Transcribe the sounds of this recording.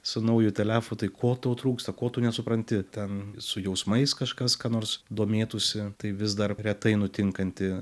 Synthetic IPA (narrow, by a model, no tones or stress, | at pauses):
sʊnɐʊjʊt̪ʲɛlʲæːfʊt̪ɐɪkoːt̪oːt̪ɾuːkst̪ɐkoːt̪uːnʲɛsʊpɾɐnʲt̪ʲɪt̪ʲɛnsʊjɛʊsmɐɪskɐʃkɐskɑːnoːrsd̪oːmʲeːt̪ʊsʲɪt̪ɐɪʋʲɪsd̪ɐrɾʲɛt̪ɐɪnʊt̪ʲɪŋkɐnʲt̪ʲɪ